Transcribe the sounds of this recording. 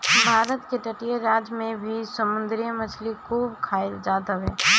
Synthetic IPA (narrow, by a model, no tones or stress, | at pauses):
bʱaːɾət̪keʈəʈijəɾaːd͡ʒmẽbʱisəmʊ̃nd̪ɾijəmət͡ʃʰlikuːbkʰaːeld͡ʒaːt̪əeː